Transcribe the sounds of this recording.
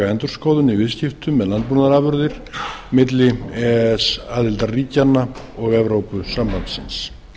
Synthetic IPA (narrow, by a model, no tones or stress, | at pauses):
aɛnt̪ʏɾ̥skowðʏnivɪðscɪft̪ʏmɛðlant̪punaɾavʏɾðɪɾ̥mɪt̪̬lɪɛsaːðɪlt̪ariːcanːa | ɔɣɛvɾowpʏsampant̪sɪns